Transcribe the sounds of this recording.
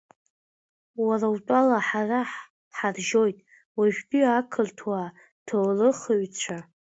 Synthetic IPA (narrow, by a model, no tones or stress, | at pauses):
warawtʷʼalaħaraħ | ħarʒo̞jtʼ | waʒᶣbʼiakʰɨltʰwa | tʰowlɨχəɥt͡ɕʷʰa